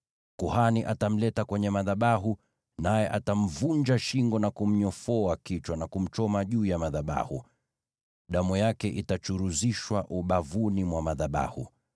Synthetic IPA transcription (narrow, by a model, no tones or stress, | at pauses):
kuhaniʔatam̩lɛtakwɛɲɛmaðaɓaɦu | najɛʔatam̩vund͡ʒaʃiŋɡɔnakum̩ɲɔfɔakit͡ʃwanakum̩t͡ʃɔmaʄuːjamaðaɓa̰hṵ | ɗamujakɛʔitat͡ʃuɾuziʃwaʔuɓavunimwamaðaɓa̰hṵ